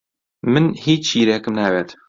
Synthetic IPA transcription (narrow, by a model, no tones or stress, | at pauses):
mɨnhiːt͡ʃt͡ʃiːɾeːkɨmnaːbeːt̪